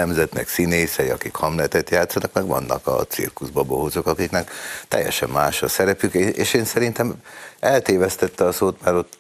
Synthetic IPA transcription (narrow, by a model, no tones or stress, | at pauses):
ɛmzɛt̪nɛ̰ksineːsɛjɒkikhɒmlɛt̪ɛt̪jaːt̪sɒnɒkmɛɡvɒ̰nːɒ̰kɒ̰t̪sḭrkuzbɒboɦozo̞kɒkiknɛkt̪ɛ̰jːɛ̰ʃɛmːaːʃɒsɛɾɛpykeeːʃeːnsɛɾint̪ɛmɛlt̪eːvɛst̪ɛt̪ːɛɒsoːt̪mɛɾo̞t̪ː